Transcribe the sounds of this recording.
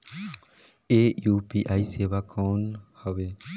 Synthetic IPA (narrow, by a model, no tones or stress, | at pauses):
eːjuːpiːʔaːiseːʋakoːnhəʋeː